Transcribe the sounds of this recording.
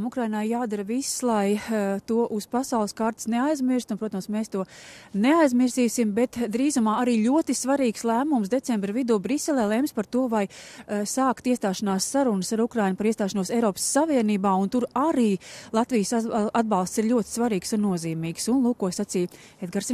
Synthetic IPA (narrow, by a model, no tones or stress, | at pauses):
mukɾajnajaːd̪aɾvisːlˠajt̪uɔʔuspasɑwlˠskaɾt̪i̥sneajzmiɾst̪unpɾuɔt̪amsmeːst̪uɔneajzmiɾziːsimbɛt̪d̪ɾiːzumaːaɾiːlʲuɔt̪isvaɾiːkslˠæːmums̬d̪et̪sɛmbɾəvid̪uːbɾisːɛlˠeːlˠɛmspaɾt̪uɔvajsaːkt̪iɛst̪aːʃanaːsːaɾunsaɾukɾajnpaɾiɛst̪aːʃanuɔsɛjɾɔːpə̥sːaviɛniːbaːunt̪uɾaɾiːlˠat̪vijsad̪̚bɑlˠst̪siɾlʲuɔt̪ɪ̥svaɾiːksunːuɔziːmiːksunlˠuːkuɔsat̪siːjɛd̪̚ɡaɾsi